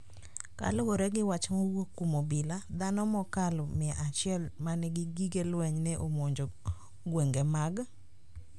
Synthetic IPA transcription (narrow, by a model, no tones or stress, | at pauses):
ka̰lowoɾɛɡɪwat͡ʃmowokumobɪlad̪anɔmɔkalɔmɪɛʔat͡ʃɪɛlmanɛɡɪɡiɡelwɛɲnɛʔomoɲd͡ʒo | ɡweŋɡemaɡ